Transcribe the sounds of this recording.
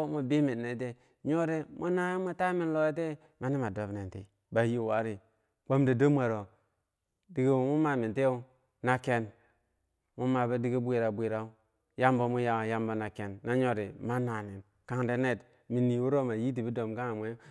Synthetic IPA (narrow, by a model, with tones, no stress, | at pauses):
mu˨bi˦mi˨tne˨˦te˦ | ɲo˦ɾe˦mʔu˦na˦i˦mu˦ta˦mi˦nlo˦e˦t̬e˦ | ma˦ni˦ma˨do˨˦bne˨ntḛ˨ | ba˨ji˦˨wa˨˦ɾi˨ | k͡po˦mde˨do˦mʷ˦a˨ɾo˨ | di˨ɡe˦˨mu˦ma˦mi˨te˦u˦ | na˨ke˨n | mu˦ma˨ba˦di˦ɡi˦bʷi˨ɾa˨bʷi˨ɾa˦u˦ | ja˦mbo˨mu˦ja˨ja˦mbo˨na˨ke˨nːa˦ɲo˦ɾe˨ma˦na˨ni˨n | ka˨ŋde˨ne˦t | mi˨ni˨wu˦ɾo˦ma˨ji˦t̬i˨bi˦do˨mka˦ŋa˨mʷe˦